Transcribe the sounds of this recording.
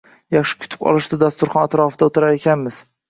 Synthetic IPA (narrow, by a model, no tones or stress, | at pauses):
jaχʃɪ̥kʲʰʊ̥t̪ʰɪ̥pɒ̰lˠɪʃd̪ɪd̪ast̪ʊɾχɒnat̪ɾɒfɪd̪aot̪ʰɪɾaɾe̞kʲʰanmɪz̥